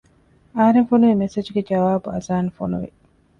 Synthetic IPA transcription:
ɐɦɐɾeŋfonuʋimesed͡ʒuɡed͡ʒɐʋaːbuɐzaːnifonuʋḭ

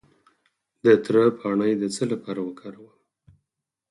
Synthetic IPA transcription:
d̪ət̪ɾəpʰɑɳəjd̪ət͡səlapɑɾawəkʰɑɾawəm

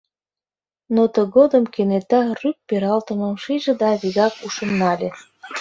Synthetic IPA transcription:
not̪ə̆ɣod̪ə̆mkenet̪ɑryk̚peɾɑlt̪ə̆mɤ̆mʃiʒə̆d̪ɑβiɣɑkuʃə̆nːɑlʲe

